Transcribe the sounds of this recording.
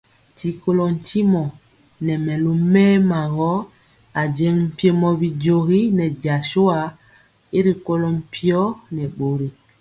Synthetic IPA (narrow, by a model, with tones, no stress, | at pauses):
ti˨ko˦lɔ˨n̩˨tʰi˦mɔ˨ | nɛ˨mɛ˨lo˨mɛː˦ma˨ɣɔ˦ | a˨d͡ʒɛ˦ŋm̩˨pje˨mɔ˨bi˨d͡ʒo˨ɣi˦nɛ˨d͡ʒa˨ʃo˦a˨ | e˦ɾi˨ko˦lɔ˨m̩˨pi˦ɔ˦nɛ˨ɓo˨ɾi˨